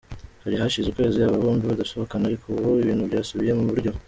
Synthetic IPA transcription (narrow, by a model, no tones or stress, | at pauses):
haɾihaʃizukwe̞ːzijaβaβoːmbiβadaso̞βo̞kaneaɾikʰouβuiβiːnhuβɟaːsuβije̞muβuɾɟo̞